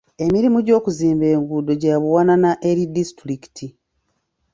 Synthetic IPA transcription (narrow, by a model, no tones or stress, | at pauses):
e̞miɾimuɟo̞ːkuziːmbe̞ːŋɡudo̞ɟaaβuwananaʔeɾidistɾiki̥tʰi